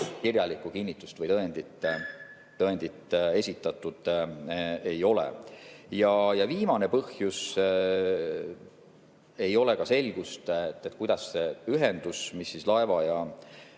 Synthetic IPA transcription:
kirjɑlikːˑukinʲːit̪ːˑu̥st̪vəjt̪ɤend̪̥it̪ː | t̪ɤend̪̥it̪ːˑe̞sʲit̪ːˑɑt̪ːˑud̪̥ | e̞jo̞lḛjɑjɑviːmɑne̞pɤhjus | e̞jo̞le̞kɑse̞lʲɡ̥ust̪et̪ːˑet̪ːˑkujd̪ɑsːeyɦend̪usmisːislɑe̞vɑjɑ

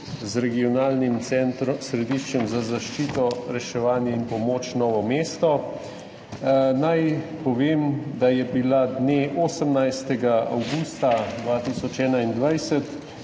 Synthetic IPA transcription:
zɾɛɡiɔnaːlnimt̪sɛnt̪ɾɔsɾɛd̪iʃt͡ʃɛmzazaʃt͡ʃiːt̪ɔɾɛʃɛʋaːnjɛinpɔmoːt͡ʃnɔːʋɔmeːst̪ɔ | najpɔʋeːmd̪ajɛbilad̪neʔoːsəmnajst̪ɛɡaa̰wɡuːst̪ad̪ʋaːt̪isɔt͡ʃɛːnaind̪ʋajsɛt̪

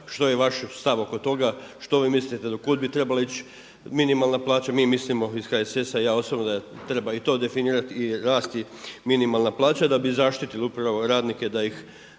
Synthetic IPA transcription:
ʃt̪o̞jeʋaʃst̪aʋo̞ko̞t̪o̞ɡaʃt̪o̞ʋiːmislit̪ed̪okud̪̚bit̪ɾe̞balait͡ɕ | minimalˠnaplˠaːt͡ɕamiːmislimo̞iskaːjesesaijaːo̞sobnod̪at̪ɾe̞bait̪o̞ːd̪e̞finiːɾat̪iɾaːst̪i | minimalˠnaplˠaːt͡ɕad̪abizaʃt̪it̪ilupɾaʋo̞ɾaːd̪nike̞d̪aix

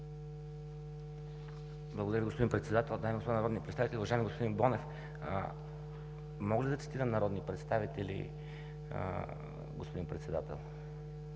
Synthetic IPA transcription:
blˠɐɡod̪ɾəviɡospodinpɾɛt̪sɛd̪at̪ɛlˠd̪ajmiɡospod̪nɐɾɔd̪nipɾɛt̪savit̪ɛlʲiuvɐʒajmiɡospod̪inbɔnɛf | mɔɡlʲid̪ɐt̪si̥t̪iɾəmnɐɾɔd̪nipɾɛt̪st̪avit̪ɛlʲḭ | ɡo̰spod̪inpɾɛt̪sɛd̪at̪ɛ̰lˠ

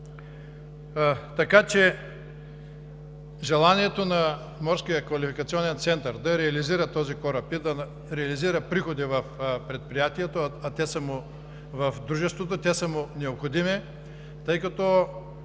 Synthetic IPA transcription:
t̪ɐkat͡ʃɛ | ʒɛlˠaniɛt̪onɐ | mɔɾskijəkvɐlifikɐt̪siɔnɛnt̪sɛnt̪ɐɾd̪ɐɾɛɐliziɾət̪ɔzikɔɾɐpid̪ɐ | ɾɛɐliziɾəpɾixod̪ivɐfpɾɛt̪̚pɾijat̪iɛt̪oɐt̪ɛsɐmʊ | vɐfd̪ɾuʒɛst̪vot̪ot̪ʲɛsɐmʊnɛopxod̪imi | t̪ɤjkɐt̪ɔ

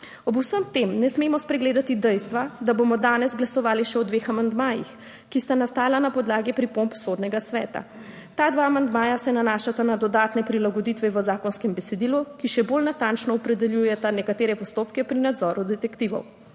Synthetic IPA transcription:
ɔbusəmt̪emnɛsmemɔspɾɛɡleːd̪at̪id̪ɛjst̪ʋad̪abomɔd̪aːnɛzɡlasɔʋaːliʃɛɔd̪ʋexamand̪maːjḭx | kist̪anast̪aːlanapɔd̪laːɡipɾipompsoːd̪nɛɡasʋɛ̰ːt̪a̰ | t̪aːd̪ʋaːmand̪maːjasɛnanaʃat̪anad̪ɔd̪aːt̪nɛpɾilaɡɔd̪it̪ʋɛʋəzaːkɔnskɛmbɛsɛd̪ilukiʃɛbolnat̪ant͡ʃnɔɔpɾɛd̪ɛljujɛt̪anɛkat̪eːɾɛpɔst̪oːpkɛpɾinad̪zɔːɾud̪ɛt̪ɛkt̪iːʋɔ̰w

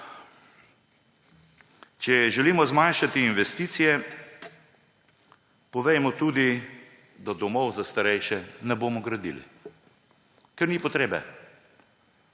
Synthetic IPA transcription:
t͡ʃɛʒɛliːmɔzmanʃat̪iːnʋɛst̪iːt̪sijɛ | pɔʋɛjmɔt̪uːd̪i | d̪ad̪ɔmɔwzast̪aɾɛjʃɛnɛboːmɔɡɾad̪ḭlḭ | kɛɾniːpɔt̪ɾeːbɛ̰

